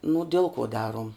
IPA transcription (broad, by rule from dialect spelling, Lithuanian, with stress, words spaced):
nʊ ˈdʲɛlˠ kuɔ ˈdɑːruɔm